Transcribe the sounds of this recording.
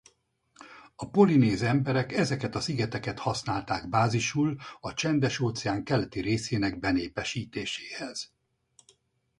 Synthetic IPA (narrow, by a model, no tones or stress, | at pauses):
ɒpo̞lineːzɛmbɛɾɛkɛzɛkɛt̪ɒsiɡɛt̪ɛkɛt̪hɒsnaːlt̪aːɡbaːziʃulɒt͡ʃɛnd̪ɛʃoːt̪sɛaːŋkɛlɛt̪iɾeːseːnɛɡbɛneːpɛʃiːt̪eːʃeːhɛz̥